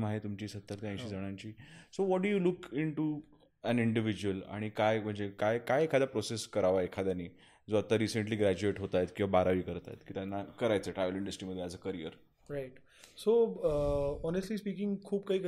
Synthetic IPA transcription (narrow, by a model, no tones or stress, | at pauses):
maɦet̪umt͡ɕiːsət̪ːəɾt̪jãj̃ɕiːd͡zəɽ̃ãɲt͡ɕiːsoʋɔʈ̚ɖujulukiɳʈu | æniɳɖiʋid͡ʑuəla̰ɽ̃ikajm̤əɳd͡zekajkajekʰad̪japɾɔseskəɾaʋaekʰad̪janiː | d͡zoat̪ːəɾisəɳʈliːɡɾæd͡ʑueʈɦot̪at̪kĩwʋabaɾaʋiːkəɾt̪a̰jt̪kiːt̪janːakəɾajt͡səːʈɾajʋəliɳɖəsʈɾiməd̪ʱːjead͡zəːkəɾijə̰ɾ | ɾaiʈ | so | ɔnesʈliːspikɪ̃ŋɡkʰuːb̚kaɦik